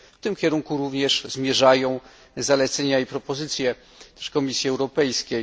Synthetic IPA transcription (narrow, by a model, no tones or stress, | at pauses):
ft̪ɘmkʲɛɾuŋkuɾuvɲɛʂzmʲjɛʐajɔ̃w̃ | zalɛt̪sɛɲaipɾɔpɔzɘt̪sʲjɛ | t̪ɛ̥ʂkɔmʲisʲjiɛwɾɔpɛjskʲe